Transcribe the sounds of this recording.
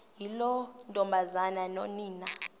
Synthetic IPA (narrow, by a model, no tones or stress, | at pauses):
jilɔntʼɔmbʱazananɔniːna